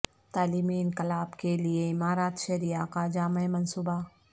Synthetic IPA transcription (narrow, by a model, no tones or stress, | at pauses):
t̪aːliːmiɪnkɪlaːbkelieɪmaːɾaːt̪ʃɐɾijakad͡ʒaːmeemɐnsuːba